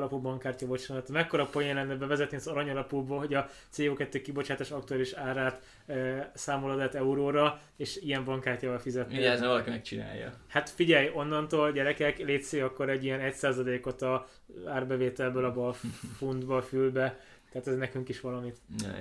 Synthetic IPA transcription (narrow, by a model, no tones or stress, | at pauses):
lɒpulbɒŋkːaːrcɒvot͡ʃonɛt̪ːmɛkːo̞ɾɒpojɛlɛnːɛbɛvɛzɛt̪niɒzɒɾɒɲɒlɒpubɒɦo̞ɟɒt̪seːoːkɛt̪ːøːkibo̞t͡ʃaːt̪aːʃɒk̚t̪uaːliʃaːɾaːt̪ː | saːmolɒd̪ɛt̪ːɛuɾoːɾɒ | eːʃijɛmbɒŋkaːrcaːvɒlfizɛt̪nieɛɛzɛvɒlɒkimɛk̚t͡ʃina̰ːjːɒ̰hat̪fiɟɛjo̞nːɒnt̪oːlɟɛɾɛkɛkleːt̪seːɒkːo̞ɾɛɟːijɛnɛcsaːzɒleːko̞t̪ɒ | aːrbɛveːt̪ɛlbøːlɒbɒfund̪bɒfylbɛ | t̪ːɛat̪ɛznɛkyŋkiʃʋɒlɒmit̪